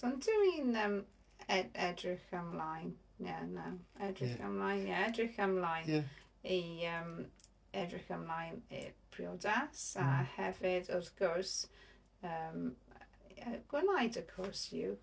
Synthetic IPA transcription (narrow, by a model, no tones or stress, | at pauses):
sɔndʰɪinəm | ɛɛdɹɪxamlajn | jɛnawɛdɹɪxa̰mlajnjɛɛdrɪxamlajn | iəm | ɛdɹɪxamlˠajnɪ̰pʰriɔdasahɛvɪdɔðɡoɹs | əːm | əɡ̥wɪnajdəkʰɔɹsjṵ